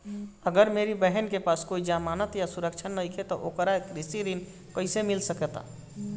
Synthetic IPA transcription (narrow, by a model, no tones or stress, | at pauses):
əɡəɾmeɾibəɦənkepaːskoid͡ʒamaːnət̪jasuɾəkt͡ʃʰənːəikʰet̪ɔʔoːkəɾaekɾisiɾin | kəɪsemɪlsəkɛt̪a̰